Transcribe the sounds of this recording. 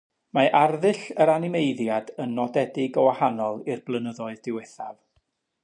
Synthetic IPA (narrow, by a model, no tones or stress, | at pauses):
maʔarðɨɬəɾanɪmejðjadənːɔdɛdɪɡɔwahanɔlˠɪrblˠənəðɔɨðdɪwɛθa̰v